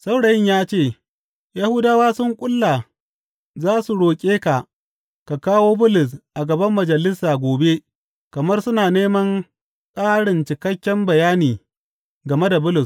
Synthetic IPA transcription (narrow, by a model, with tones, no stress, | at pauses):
sa˦wɽɐ˨jɪ˦ɲjaː˦t͡ʃeː˦˨ | ja˦hʊ˦daː˦waː˦sʊ˦ŋkʷʼʊ˦lːa˨ | zaː˦su˨ɽoː˨kʲʼeː˦ka˨ | ka˨kaː˦woː˦bʊ˦lʊ˨s̬ʔa˨ɡɐ˨bɐ˦mːɐ˨d͡ʒɐ˨lɪ˦sːaː˨ɡʷoː˨be˦ | kɐ˨mɐ˦rsʊ˦naː˨neː˦mɐ˦ŋ | kʼaː˦ɽɪ˨nt͡ʃɪ˨kɐ˦kʲːɛ˦mbɐ˨jaː˦niː˨ | ɡɐ˨me˦da˨bʊ˦lʊ˨s